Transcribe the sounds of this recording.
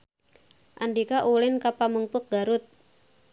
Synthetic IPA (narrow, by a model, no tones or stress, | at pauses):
ʔandikaʔulɪnkapaməŋpʊk̚ɡ̥aɾʊt̪̚